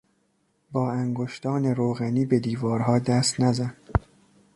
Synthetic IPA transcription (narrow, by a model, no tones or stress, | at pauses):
bɒːæŋɡoʃt̪ɒːne̞ɾoːɣæniːbe̞d̪iːvɒːɾɦɒːd̪æst̪næzæn